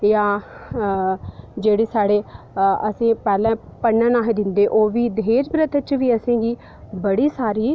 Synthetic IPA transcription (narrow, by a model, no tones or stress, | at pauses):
jãː | d͡ʒeːɽeːsaːɽeː | əsĩːpɛːlɛ̃ːpəɳːənaːɦeːd̪ɪnd̪eːʔoːʋiːd̪eːd͡ʒbɾət̪ʰt͡ʃʋiːəsẽːɡiː | bəɽiːsaːɾiː